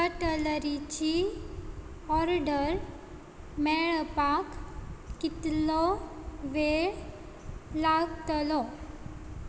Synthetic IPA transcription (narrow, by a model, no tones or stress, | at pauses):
kəʈələɾit͡ɕi | ɔɾɖəɾ | mɛɭpakː | it̪lɔʋeɭ | laɡt̪əlɔ